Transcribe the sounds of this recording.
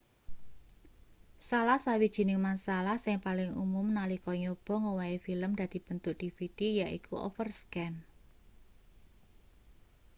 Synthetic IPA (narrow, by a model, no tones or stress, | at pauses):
salahsawid̥ʒ̥i̤nɪŋmansalahsɪŋpalɪŋṵmʊmnalikɔɲob̥ɔ̤ŋowaefiləmd̪̥ä̤d̪̥i̤b̥ənt̪ʊʔd̪̥ifit̪ijaʔḭkuʔɔ̰fərskɛn